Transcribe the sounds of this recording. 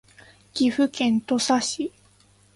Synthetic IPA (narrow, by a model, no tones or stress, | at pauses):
kʲiɸɯ̟kẽ̞nt̪osaɕi